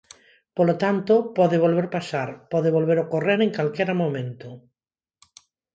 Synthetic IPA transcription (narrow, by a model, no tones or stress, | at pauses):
polot̪ant̪opɔðɪβolβ̞eɾpasaɾpɔðeβolβeɾokoreɾeŋkalkeɾamõmẽnt̪o